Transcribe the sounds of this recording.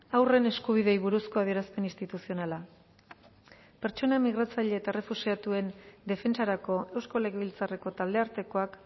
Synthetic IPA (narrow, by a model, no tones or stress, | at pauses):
awre̞ne̞skuβ̞iðe̞jβuɾusko̞aðie̞ɾaspe̞nist̪it̪usio̞nala | pe̞ɾt͡ʃo̞namiɣ̞ɾat͡saʎe̞ːt̪aere̞fusiat̪ue̞nd̪e̞fe̞nt͡saɾako̞e̞wsko̞le̞ɣeβilt͡sare̞ko̞t̪ald̪e̞aɾt̪e̞ko̞ak